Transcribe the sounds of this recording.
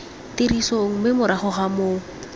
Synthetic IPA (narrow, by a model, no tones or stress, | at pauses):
tiɾisoŋ̩mɪmʊɾaχʊχamoː